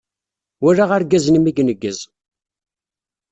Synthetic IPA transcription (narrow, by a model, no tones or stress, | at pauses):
wæɾaʁaɾɡæznimiɡnəɡːəz